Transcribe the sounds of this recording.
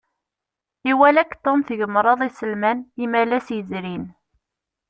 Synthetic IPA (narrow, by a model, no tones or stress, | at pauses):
iwælækːt̪omθʝəmɾˤɑðˤisəlmænimælæsjəzɾin